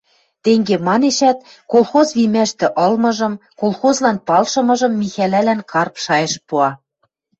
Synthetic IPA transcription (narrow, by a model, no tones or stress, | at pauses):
t̪eŋɡemɑneʃæt̪ | kolˠxozβimæʃt̪ɘ̆ʔɤ̆lmɤ̆ʒɤ̆mkolˠxozlɑnpɑlʃɤ̆mɤ̆ʒɤ̆mːixælælænkʰɑrpʃɑjɤ̆ʃpuɑ